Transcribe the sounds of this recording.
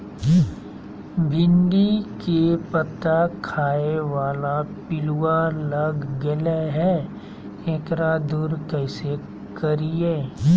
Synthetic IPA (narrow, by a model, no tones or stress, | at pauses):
bʱɪ̃nɖikepət̪akʰaːeʋaːlapɪlualɐɡːəleɦɛ | ẽːkɾad̪uɾkɛːse | kɐɾieː